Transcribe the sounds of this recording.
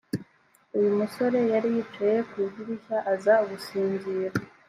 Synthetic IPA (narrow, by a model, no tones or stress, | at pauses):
ujumuso̞ɾe̞jaɾijit͡ʃeje̞kwiːɟiɾiçaʔːzaβusiːɲziːɾa